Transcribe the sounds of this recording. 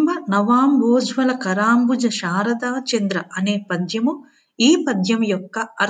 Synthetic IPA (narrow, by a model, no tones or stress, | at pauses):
bɐnɐʋaːmboːd͡ʒʋɐlɐkɐɾaːmbud͡ʒɐʃaːɾɐd̪aːt͡ʃɐnd̪ɾɐʔɐneːpɐd̪jɐmu | iːpɐd̪jɐmjɔkːɐɐɾ